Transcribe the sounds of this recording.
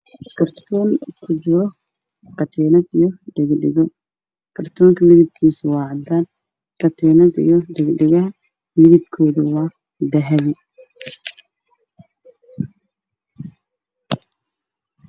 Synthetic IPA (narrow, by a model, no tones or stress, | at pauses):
kʰɐrt̪ʰɔːŋkʰʊd͡ʒɪɾɔ | kʰɐt̪ʰɛːnɐd̪ijɔɖɛɡɖɪ̰ɣɔ | kʰɐrt̪ʰɔːŋkʰɐmɪðɪb̚kʰiːswɑːʕd̪aːn | kʰɐt̪ʰɛnɐd̪ḭjɔɖɛɡɖɛɣɐɦɐ | mɪðɪb̚kʰɔːðɐwɑː | d̪ɐɦɛβɪ